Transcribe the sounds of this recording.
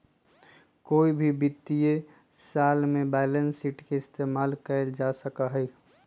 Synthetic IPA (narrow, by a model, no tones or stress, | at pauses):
koːibʱibɪt̪ːie | saːlmẽbɛɪlənsiːʈkeɪst̪eːmaːlkəld͡ʒasəkaɦɛi